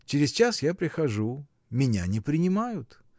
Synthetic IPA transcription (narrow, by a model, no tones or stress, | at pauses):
t͡ɕɪɾʲɪzt͡ɕasjapɾʲɪxɐʐu | mʲɪnʲa̰nʲɪpɾʲɪnʲɪmajʊt̪